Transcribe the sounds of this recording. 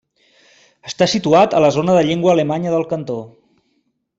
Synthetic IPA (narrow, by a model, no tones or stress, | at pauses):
əst̪asit̪uat̪ələzonəðəʎeŋɡwəːləmaɲəðəlˠkənt̪o